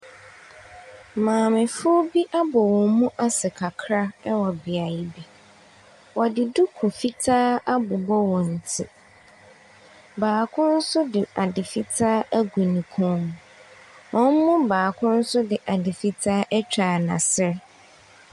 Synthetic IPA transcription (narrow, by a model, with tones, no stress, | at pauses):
mãː˨mɪ̃˨fʊ˦o˦bi˦ʔa˦bɔ˨wɔ˨mũ˦ʔa˦sɛ˨kʰa˨kʰɾa˦ɛ˦wɔ˨bi˨a˨ji˦bi˨ | wɔ˨dɪ˨du˦kʰʊ˨fi˦tʰaː˦a˦bʊ˨bɔ˦wɔ˨n̩˨tʰɪ˦ | baː˨kʰʊ̃˦n̩˦sʊ˦dɪ˨a˨dɪ˨fi˦tʰaː˦ʔæ˦ɡu˨nĩ˨kʰɔ̃˦m̃˨ | wɔ̃˦m̩˦mʊ̃˦baː˨kʰʊ̃˦n̩˦sʊ˦dɪ˨ʔa˨dɪ˨fi˦tʰaː˦ʔɛ˦t͡ɕᶣa˨nã̰˨sɪ˦ɾ